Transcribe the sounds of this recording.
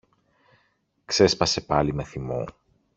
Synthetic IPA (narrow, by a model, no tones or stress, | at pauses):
kse̞spɐse̞pɐlime̞θimṵ